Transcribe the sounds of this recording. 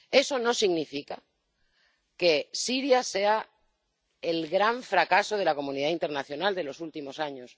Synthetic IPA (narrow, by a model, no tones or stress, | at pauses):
e̞so̞no̞siɣnifika | ke̞siɾjase̞a | elɣɾaɱfɾakaso̞ð̞e̞lako̞mũniðaint̪e̞ɾnaθjo̞nald̪e̞lo̞sult̪imo̞saɲos